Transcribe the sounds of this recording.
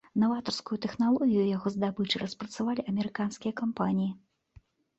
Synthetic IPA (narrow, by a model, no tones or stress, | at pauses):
nɐvat̪ɐrskujut̪ɛxnalˠɔɣʲijujaɣɔzd̪abɨt͡ʂɨrʔɐspɾɐt̪savalʲiʔɐmʲɛɾɨkanskʲijɐkampanʲiji